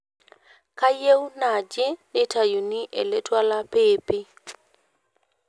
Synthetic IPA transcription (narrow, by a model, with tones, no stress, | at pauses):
ka˦je˦wna˨d͡ʒe˦nɪ˦tʰa˨ju˨ni˦ʔɛ˨le˦twa˦la˦peː˦pɪ˦